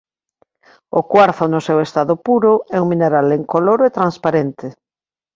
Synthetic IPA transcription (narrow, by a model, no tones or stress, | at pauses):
ʊkwaɾθʊnʊsɛwest̪aðʊpuɾʊɛuŋmĩneɾaleŋkoloɾoʊet̪ɾanspaɾent̪ɪ